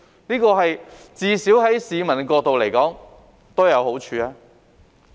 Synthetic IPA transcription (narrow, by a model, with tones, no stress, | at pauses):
niː˥kɔː˧ɦɐ˨jt͡siː˨˧siː˨˥wɦɐ˨˥jsiː˨˧mɐ˨˩nkʷɔː˧k̚t̪o˨wle˨˩jkɔː˨˥ŋ | t̪o˥wjɐ˨˧who˨˥wt͡ʃʰyː˨˧aː˧˥